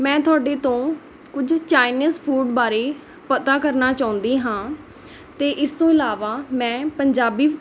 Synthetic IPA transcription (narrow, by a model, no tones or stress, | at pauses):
mɛ̃ːt̪ʊaːɖeːt̪õː | kʊd͡ʒt͡ʃaːɪnizpʰuːɖbaːɾeː | pət̪aːkəɾnaːt͡ʃaːʊ̃nd̪iːɦãː | t̪eːʔɪst̪õːɪlaːʋaːmɛ̃ːpəɲd͡ʒaːbiː